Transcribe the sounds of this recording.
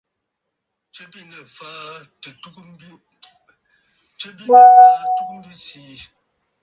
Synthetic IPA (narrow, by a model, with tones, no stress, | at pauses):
t͡ʃə˦bi˦˨nə˨faː˦ | tə˨tu˦k | t͡ʃə˦bi˦nə˦˨fa˦tu˦km̩˦bi˦siː˦